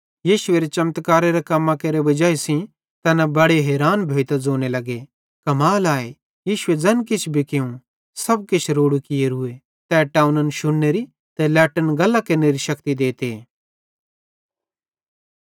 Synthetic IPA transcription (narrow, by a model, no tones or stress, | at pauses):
jiːʃʊeːɾet͡ʃɐmt̪kaːɾeɾakɐmːãkeːɾeʋɐd͡ʒaːesĩ | t̪ɛːnabɐɽeɦɛːɾaːnbʱeːt̪ad͡zoːnelɐɡe | kɐmaːlaːe | jiːʃʊed͡zɐnkɪt͡ʃʰbʱikeũ | sɐb̚kɪt͡ʃʰɾoːɽukɪjeɾʊe | t̪ɛʈaːʊnənʃʊɽːeɾi | t̪ɛlɛːʈənɡɐlːakɐɾneɾiʃɐkt̪id̪eːt̪eː